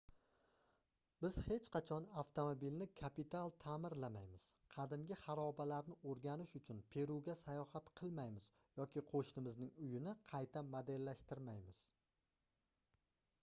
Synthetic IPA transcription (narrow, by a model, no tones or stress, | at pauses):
bɪz̥he̞t͡ʃqʰɑt͡ʃʰɒnaft̪ʰomobilnɪkʰapit̪ʰalˠt̪ʰamɪɾlamajmɪz̥qʰɑd̪ɪmɡʲɪχɑɾɒbalaɾnɪʔoɾɡʲanɪʃʊt͡ʃʰʊnpʰe̞ɾuɡʲasajɒhat̪qʰɨlˠmajmɪz̥ | jɒkʲɪqʰoʃnɪmɪznɪŋʊjɪnɪqʰɑjt̪ʰamod̪e̞lːaʃt̪ɪɾmajmɪz̥